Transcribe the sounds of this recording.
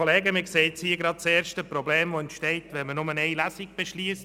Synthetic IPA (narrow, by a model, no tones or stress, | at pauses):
oleːɡəmɪkseɪtt͡shiːəɡɾɑd̚t͡sɛːɾʃtəprobleːmʋoɛntʃtɛɪtʋɛnmənʊməneɪlæsiɡb̥eʃliːst